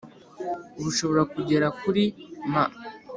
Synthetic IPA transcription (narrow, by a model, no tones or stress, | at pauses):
ɾuʃo̞βo̞ɾakuɟe̞ɾakuɾima